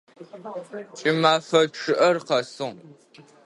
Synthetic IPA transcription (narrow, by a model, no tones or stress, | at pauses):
t͡ʃʼɪmaːfɐʂɨʔɐrqɐsɨʁ